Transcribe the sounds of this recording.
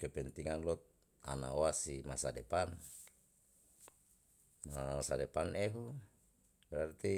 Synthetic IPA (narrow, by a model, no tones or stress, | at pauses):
kɛpɛnt̪iŋanlɔt̪̚ | a̰na̰oasimasadɛpan | masadɛpanɛɦu | bɛɾart̪i